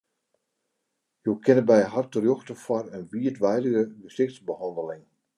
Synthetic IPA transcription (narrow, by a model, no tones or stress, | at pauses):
jowkʰɪnəbɛjɦartərjoxtəfɔrənʋiətʋɛjdəɣəbəsɪxtsbəhɔndəlɪŋ